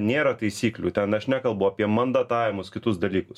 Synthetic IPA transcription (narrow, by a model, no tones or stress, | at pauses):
nʲeːɾɐt̪ɐɪsʲiːklʲṵːt̪ʲɛnɐʃnʲækɐlˠbʊɐːpʲiɛmɐnd̪ɐt̪ɑːʋʲɪmʊskʲɪt̪ʊsd̪ɐlʲiːkʊs